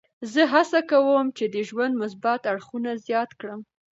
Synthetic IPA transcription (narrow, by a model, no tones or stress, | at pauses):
zəɦasakawəmt͡ʃed̪əʒwand̪mʊs̬bat̪aɽxunazjɑt̪kɽəm